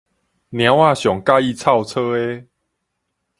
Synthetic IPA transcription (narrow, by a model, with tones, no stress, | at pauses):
nj̃ã˨˦wa˥˧˨ɕjɔ˨˩ŋka˥˧i˥˧˨t͡sʰa˥˧˨wt͡sʰə˦e˦